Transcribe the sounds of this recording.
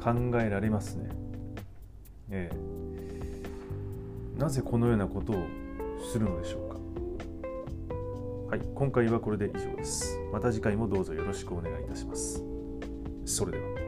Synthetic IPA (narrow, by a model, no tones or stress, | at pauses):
kʰãŋɡae̞ɾaɾe̞masɨne̞̰ | eː | naze̞ko̞no̞jo̞ːnako̞t̪o̞ːsɨɾɯ̟no̞d̪e̞ɕo̞ːkḁ | haikõ̞ŋkaiβ̞ako̞ɾe̞d̪e̞ʔiʑo̞ːd̪e̞sɨ̥mat̪aʑikaimo̞d̪o̞ːzo̞jo̞ɾo̞ɕi̥kɯ̟o̞ne̞ɡait̪aɕi̥masɨ̥ | so̞ɾe̞d̪e̞βa